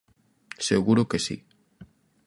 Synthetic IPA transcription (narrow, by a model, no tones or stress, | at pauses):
seɣuɾokesḭ